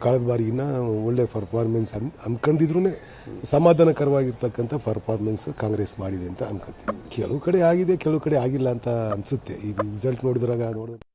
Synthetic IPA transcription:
kɐɭɐd̪ɐbaːɾijinːɐoɭːe̞pʰɐɾpʰaːɾmensɐnɐnkɐɳd̪id̪ɾune̞ː | sɐmaːd̪ʱanɐkɐɾɐʋaːɡiɾt̪ɐkːɐnt̪ʰɐpʰɐɾpʰaːɾmenskaːŋɡɾeːsmaːɽid̪eɐnt̪ɐɐnkɐt̪ːekɛɭɐʋukɐɽeaːɡid̪e̞kɛlɐʋukɐɽe̞aːɡilːɐːnt̪ɐːnsut̪ːe̞̰iːɾid͡ʒɐlʈno̞ːɽid̪ɾaːɡɐno̞ːɽd̪ɐn

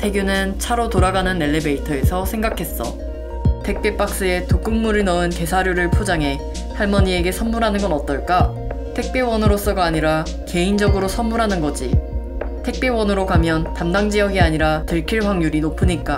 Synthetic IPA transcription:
tʰe̞ɡjunɯnt͡ɕʰaɾotoɾaɡanɯnːe̞ɭːebe̞itʰʌe̞sʰʌsʰe̞ŋɡakʰe̞s͈ʌ̰ | tʰe̞k̚p͈e̞p͈ak̚s͈ɯe̞tok͈ɯŋmuɾinʌɯnke̞sʰaɾjoɾɯɭpʰod͡ʑaŋɦe̞ | sʰaɭmʌɲie̞ɡe̞sʰʌmːuɾɦanɯnɡʌnʌt̚t͈ʌɭk͈a | tʰe̞k̚p͈e̞wʌnɯɾos͈ʌɡaːɲiɾa | ke̞ind͡ʑʌɡɯɾosʰʌmːuɾɦanɯnɡʌd͡ʑḭ | tʰe̞k̚p͈e̞wʌnɯɾokamjʌntamdaŋd͡ʑijʌɡiaɲiɾatɯɭkʰiɭɸwaŋjuɾinopʰɯɲik͈a

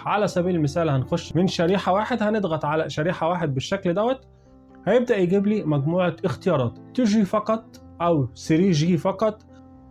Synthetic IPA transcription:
ʕalæsæbiːlelmɪsæːlhænxoʃːmɪnʃæɾiːħawaːħed̪hæned̪ɣɑt̪ʕalæʃæɾiːħawaːħed̪̚beʃːækld̪æwæt̪ | hæjeb̚d̪æʔjeɡiːbliːmæɡmuːʕaʔɪxt̪ejɑːɾˤɑːt̪t̪ɪʒwiːfɑqɑt̪ˤʔæwsɪɾiːʒiːfɑqɑt̪ˤ

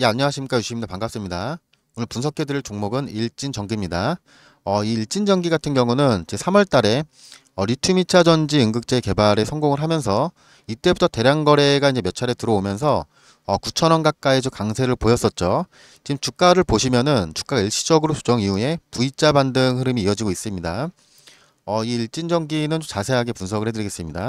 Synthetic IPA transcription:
jeaɲːʌɦaɕʰimk͈ajuɕ͈ʰimindopaŋɡaps͈ɯmɲida | onɯɭpunsʰʌk͈ʰedɯɾiɭt͡ɕoŋmoɡɯniɭt͡ɕ͈int͡ɕʌŋɡimɲida | ʌiːɭt͡ɕ͈ind͡ʑʌŋɡiɡatʰɯnɡjʌŋunɯnt͡ɕesʰamwʌɭt͈aɾe̞ | ʌɾitʰumit͡ɕʰad͡ʑʌnd͡ʑiɯŋɡɯk̚t͡ɕ͈eke̞baɾe̞sʰʌŋɡoŋɯɭɦamjʌns̬ʰʌ | it͈e̞butʰʌte̞ɾjaŋɡʌɾe̞ɡaind͡ʑejʌt͡ɕʰaɾe̞tɯɾʌomjʌns̬ʰʌː | kut͡ɕʰʌnʌnɡak̚k͈aid͡ʑokaŋsʰe̞ɾɯɭpojʌs͈ʌt̚t͡ɕ͈o | t͡ɕimt͡ɕuk̚k͈aɾɯɭpoɕʰimjʌnɯnt͡ɕu̥k͈aɡiɭɕ͈ʰi̥d͡ʑʌɡɯɾosʰu̥d͡ʑʌŋiue̞puit͡ɕ͈abandɯŋɦɯɾɯmiːʌd͡ʑiɡois͈ɯmɲida | ʌiːɭt͡ɕ͈ind͡ʑʌŋɡinɯnt͡ɕot͡ɕasʰe̞ɦaɡe̞punsʰʌɡɯɭhedɯɾiɡe̞s͈ɯmɲida

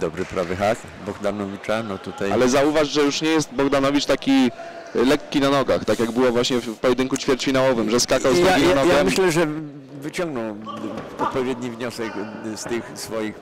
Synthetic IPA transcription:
d̪ɔbɾɘpɾavɛxak | bɔɡd̪anɔvʲit͡ʂanɔt̪ut̪aja̰lɛzauvaʂʐɛjuʂɲɛjɛst̪bɔɡd̪anɔvʲit͡ʂt̪akʲi | lɛkʲːinanɔɡaxt̪akʲjaɡbɘwɔvwaɕɲɛpɔjɛd̪ɘŋkut͡ɕfʲjɛɾt͡ʂfʲinawɔvɘmʐɛskakawzd̪aɡinɔjaɡɛmɘɕlɛʐɛ | vɘt͡ɕɔ̃ŋɡnɔw | ɔt̪̚pɔvʲjɛd̪ɲivɲɔsɛkst̪ɘxsfɔjix

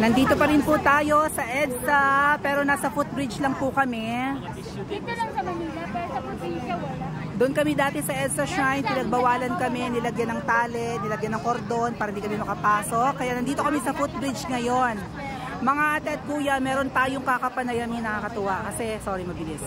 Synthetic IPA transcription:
nɐnd̪iːt̪o̞pɐɾɪnput̪aːjo̞sɐʔɛd̪st̪ɐpɛːɾo̞naːsɐfut̪̚bɾɪd͡ʒlɐŋpʊkɐmɛ | ɐɐɐniɐɐ | d̪ʊnkɐmid̪aːt̪ɛsɐʔɛd̪st̪ɐʃajnpɪnɐɡ̚bɐwaːlɐnkɐmɛnɪlɐɡjanɐŋt̪aːlɛt̪̚nɪlɐɡjanɐŋkoɾd̪o̞npaːɾɐɪnd̪ikɐmɛmɐkɐpaːso̞kkːɐjaʔnɐnd̪iːt̪okɐmɛsɐfut̪̚bɾɪd͡ʒŋɐjo̞n | mɐŋaʔɐt̪ɛt̪̚pujanmɛːɾo̞nt̪aːjoŋkakɐpɐnɐjɐnɪnɐkakɐt̪ʊwakɐsɛsoɾimɐbɪlis

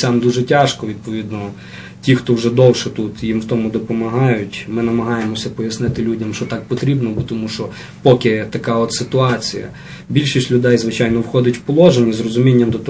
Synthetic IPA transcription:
sʲɑmd̪uʒɛtʲɑʃkɔʋʲid̪̚pɔʋʲid̪nɔ | tʲixt̪ɔwʒɛd̪ɔwʃɛt̪ut̪jimwt̪ɔmʊd̪ɔpɔmɐɦɑjʊtʲmɪnɐmɐɦɑjemɔsʲɐpɔjɐsnɪt̪ɪlʲudʲɐmʃt͡ʃɔt̪ɑk̚pɔt̪ɾʲibnɔbʊt̪ɔmuʃt͡ʃɔ | pɔkɪt̪ɐkɑɔt̪sɪt̪ʊɑt͡sʲijɐ̰ | bʲilʲʃisʲtʲlʲʊd̪ɛjzʋɪt͡ʃɑjnɔwxɔd̪ʲɐtʲwpɔlˠɔʒenʲːizrɔzʊmʲinʲːɐmd̪ɔt̪ɔ

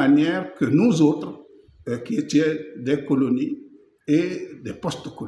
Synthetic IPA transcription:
anjɛɾkənuzot̪ɾo | kiet̪jed̪ekoloni | ed̪epɔst̪oko

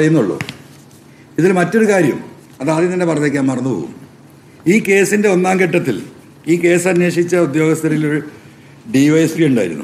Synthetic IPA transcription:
ɐrɐjunːuɭːo̰ | iðilmɐtːo̞ɾukaːɾjɐ̰m | ɐðaðininːepɐrɐt̪ːek̬ʲːaːmɐrɐnːupo̰ːɣṵm | iːke̞ːsinde̞o̞nːaːmkeʈːɐt̪ːil | iːke̞ːsɐnjeːʂit͡ɕːɐud̪jo̞ːɡɐst̪ʰɐɾijiloɾu | ɖiʋɐjsriuɳɖaːjiɾṵnːṵ

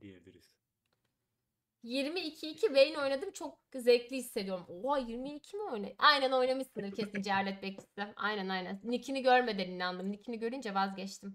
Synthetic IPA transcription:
jiɾmiːcʰiːcʰivejino̞jnad̪ɯmt͡ʃʰo̞k̚zeclʲihisːe̞d̪ijo̞ɾumoajiɾmiːcʰimio̞jna̰ʔajnɛno̞jnamɯʃsɯnɛɾcʰesind͡ʒeɦaɾlʲɛt̪̚bɛc̚t̪ʰi̥st̪ima̰jnɛnajnænnicʰiniɟøɾme̞d̪eninːand̪ɯmnicʰiniɟø̞ɾynd͡ʒɛvazɟɛt͡ʃt̪ʰim

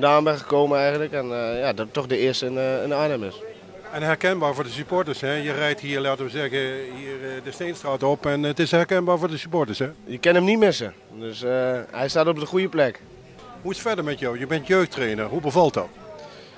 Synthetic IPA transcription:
daːnbɛxə̥koːməɛjɣəntləkɛnjadɔtːɔxdəɪəstənənaːnəmɪs | ɛnhɛɹkɛnbaːɹvoːdəsypoɹtəɹshɛjərɛjthiːəɹlaːtəʋəzɛɣəhirdəstejnstraːtɔpɛnətɪshɛɹkɛnbaːɹvʊːɹdəsypoɹtəɹshɛjəkɛnəmnitmɪsə | døshɛjstaːtɔp̚dəχujəplɛk | huɪsfɛɹdəɹmɛtjɔwjəbɛntjøːxtreːnərɦubəvɑlˠt̚dɔ̰t

